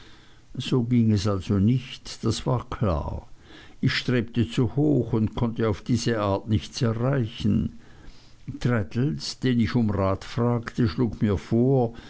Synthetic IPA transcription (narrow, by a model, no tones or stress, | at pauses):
z̥oːɡiŋɛsalz̥onɪçtd̥asv̥aːɐkʰl̥a̰ː | ɪçʃtʁ̥eːp̚tət͡suhoːxʊntkʰɔntəaʊfd̥iːzəʔaːɐtnɪçtt͡sɛɐʁaɪçn̩ | tʁ̥ɛtl̩sd̥eːnɪçʊmʁaːtfʁ̥aːktəʃluːkmiːɐfoːɐ